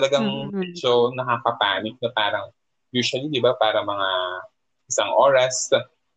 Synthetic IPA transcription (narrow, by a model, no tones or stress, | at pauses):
t̪ɐlɐɡaŋbit͡ʃonɐkakɐpaːnɪk̚nɐpaːɾɐŋ | juːʃʊɐlid̪ɪbapaːɾɐmɐŋa | ʔɪsaŋʔoːɾɐs